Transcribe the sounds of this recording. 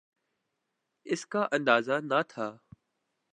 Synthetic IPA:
ɪskaːʔə̃nd̪aːzaːnat̪ʰaː

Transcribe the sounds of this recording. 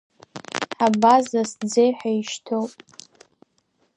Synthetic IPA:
ħabazasd͡zejħaiʃtʰowpʼ

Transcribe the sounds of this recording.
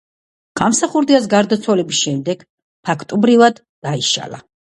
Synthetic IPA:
ɡ̥amsaχuɾd̪ias̬ɡaɾd̪at̪sʰwalɛbisʃɛmd̪ɛɡ̥ | pʰakʰt̪ʼɔbɾivad̪ːaiʃa̰la̰

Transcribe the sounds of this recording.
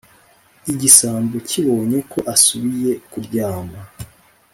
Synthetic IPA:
iɟisaːmbocʰiβo̞ːɲe̞kʰo̞ʔasuβije̞kuɾɟaːma

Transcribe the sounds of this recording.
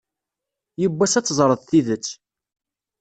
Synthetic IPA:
jəbːæsæt͡sːzˤɾˤəðˤθiðət͡sː

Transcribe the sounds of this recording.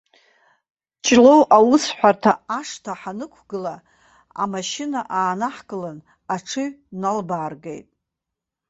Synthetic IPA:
t͡ʃʼlowʔawʊsħʷartʰaaʂtʰaħanɨkʷʰɡɨla | a̰maʃɪnaʔaːnaħkɨlan | aʈ͡ʂʰɨɥnalbaːrɡejtʼ

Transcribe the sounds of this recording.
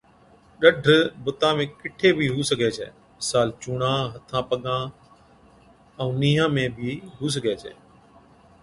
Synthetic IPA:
ɗəɖʱbʊt̪ãːmẽːkɪʈʰeːbʱiːɦuːsəɡʱeːt͡ʃʰḛː | mɪsaːlt͡ʃuːɽãːɦət̪ʰãːpəɠãː | əũːniːɦãːmẽːbʱiːɦuːs̬əɡʱɛːt͡ʃʰḛː

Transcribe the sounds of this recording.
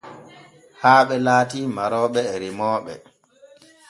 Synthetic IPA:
haːɓɛlaːtiːmaɾɔːɓɛːɾimɔːɓɛ̰

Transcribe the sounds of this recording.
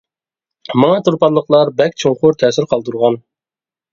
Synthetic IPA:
mɑŋɑt̪uɾpɑlːˠəqlˠɑɾbɛkʲt͡ʃʰoŋqʊɾt̪ʰɛːsɪɾqʰɑlˠd̪uɾʁɑn

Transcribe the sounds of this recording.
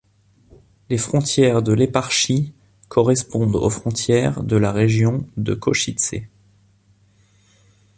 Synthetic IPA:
lefχɔ̃t̪jɛʁd̪əlepaʁʃi | kʰɔʁɛspɔ̃d̪o̰fχɔ̃t̪jɛʁd̪əlaʁeʒjɔ̃d̪ə̰kɔʃit̪sḛ

